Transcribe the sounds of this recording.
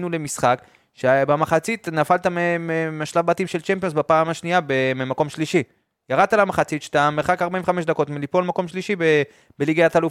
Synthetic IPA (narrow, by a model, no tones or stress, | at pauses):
nule̞misχak | ʃebamaχat͡sit̪nafalt̪amememaʃlavbat̪imʃelt͡ʃempionsbapaːmaʃniabememako̞mʃliʃi | jaʁad̪̚t̪alamaχat͡sit̪ʃe̥t̪ameʁχakaʁbaĩveχameʃd̪ako̞tmelipo̞lmako̞mʃliʃibe | beliɡajat̪aluf